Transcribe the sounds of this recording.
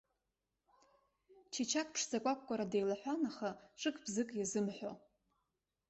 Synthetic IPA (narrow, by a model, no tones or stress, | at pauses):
t͡ʃʰat͡ʃʰak̚ʰʼpʰʂzakʷʼakʷʼkʷːʼaɾadejlaħʷᶣanaχaʈ͡ʂʼɨkʼbzɨkʼjazɨmħʷᶣo